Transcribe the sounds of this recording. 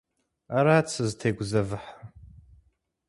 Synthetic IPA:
aɾaːt͡sʰɨztʰejɡʷzavɨħa

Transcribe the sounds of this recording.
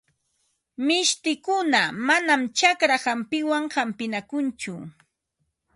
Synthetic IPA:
mɪʃt̪ɪkʊnamanamt͡ʃakɾahampɪwaŋhampɪnakʊnt͡ʃʊ

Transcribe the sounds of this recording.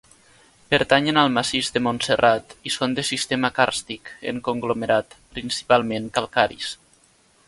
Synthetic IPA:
pəɾt̪aɲenalˠmasizd̪əmonserʔat̪isond̪əsist̪emakaɾst̪ikḛŋkoŋɡlomeɾat̪pɾinsi̥palˠmeŋkalˠkaɾḭs

